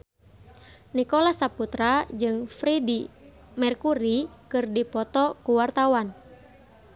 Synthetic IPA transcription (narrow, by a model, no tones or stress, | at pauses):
nikɔlasaput̪ɾad͡ʒɨŋfɾidi | mɛrkuɾikɨrdipɔt̪ɔkuwart̪awan